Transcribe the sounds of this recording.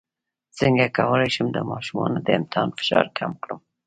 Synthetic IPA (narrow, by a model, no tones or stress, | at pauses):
sɪŋɡakawəlajʃəmd̪əmɑʃumɑnod̪əɪmt̪ɪhɑnfɪ̥ʃɑɾkʰamkɽəm